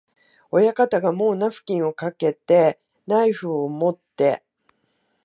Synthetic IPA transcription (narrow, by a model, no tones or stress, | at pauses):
o̞jakat̪aɡamo̞ːnaɸɯ̟̥kʲĩɰ̃o̞kake̞t̪e̞ | naiɸɯ̟ːomo̞t̪ːe̞̰